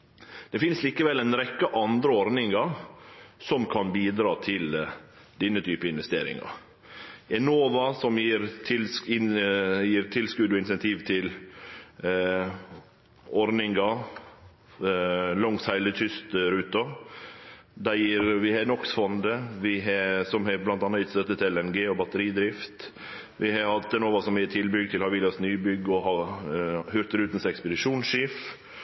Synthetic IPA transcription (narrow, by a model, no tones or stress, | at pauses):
d̪̥ɛfɪnsliːkəʋɛlɛɪnɾɛkːəʔɑnd̪ɾəɔɾnɪŋɑɾ | sɔmkʰɑnbiːd̪ɾɑːt̪ʰɪl | d̪ɪnːət̪ʰyːpəɪnʋɛst̪ḛːɾɪ̰ŋɑ̰ɾ | ɛnoːʋɑsɔmjiːɾt̪ʰɪlsɪjiːɾt̪ʰɪlskʉd̪ɔɪnsɛnt̪ʰiːʋt̪ʰɪl | ɔɾnɪŋɡɑ | lɔŋshæɪlət̪ʰʏst̪ɾʉːt̪ɑ | d̪æjiːɾʋɪhɑnɔksfɔnd̪əʋɪɦsɔmhɛblɑnt̪ɑnːɑɪt̪st̪œt̪ːət̪ʰɛlɛnɡeːɔbɑt̪əɾiːd̪ɾɪft̪ | ʋʔɪhɑhɑt̪̚d̪ɛnoːʋɑsɔmiːət̪ʰɪlbʏɡ̚t̪ʰɪlhɑɾʋɪːlɑsnyːbʏɡːɔɦɑ | hʉɾt̪əɾʉːt̪ən̩sɛkspəd̪ɪʂuːnsʃif